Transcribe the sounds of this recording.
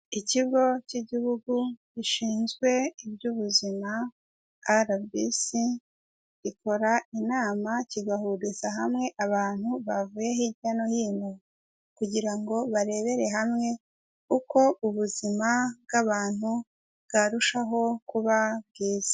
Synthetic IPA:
iciβɡo̞ciɟiβuɡuɟiʃiːnzɡwe̞ibɟuβuzimaː | ɾabbisi | ɟiko̞ɾainaːmaciɡahudusaɦamŋe̞ʔaβaːn̥huβavuje̞hiɟano̞jiːmo | kuɟiɾaŋɡo̞βaɾe̞βe̞ɾe̞ɦamŋe̞ | uko̞uβuzimabɡaβaːn̥u | bɡaɾuʃaɦo̞kuβab̚ɡiːz̥e̥

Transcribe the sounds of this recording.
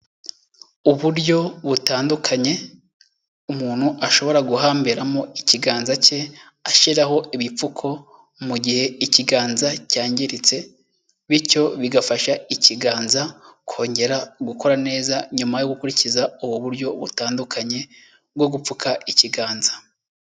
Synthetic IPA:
uβuɾɟo̞βutaːndukʰaɲe̞ | umuːn̥huʔaʃo̞βo̞ɾaɡuɦaːmbeɾamo̞iciɡaːnzace̞ | aʃiɾaɦo̞iβip͡fukʰo̞ | muɟihe̞iciɡaːnzacaːɲɟiɾit͡se̞ | βico̞βiɡafaʃaiciɡaːnzakʰo̞ːɲɟe̞ɾaɡuko̞ɾane̞ːzaɲumajo̞ɡukuɾicizauβuβuɾɟo̞βṵtaːndukʰaɲe̞ | b̚ɡo̞ɡup͡fukʰaʔiciɡaːnzḁ

